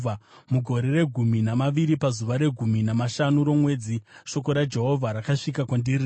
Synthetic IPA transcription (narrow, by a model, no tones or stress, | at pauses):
amuɡʱo̞ɾe̞re̞ɡʱuminamaʋiɾipazuʋaɾe̞ɡʱuminamaʃanuɾo̞mwe̞ːd͡ziʃo̞ko̞ɾad͡ʒe̞ɦo̞vʱaɾakaʂikakwandiri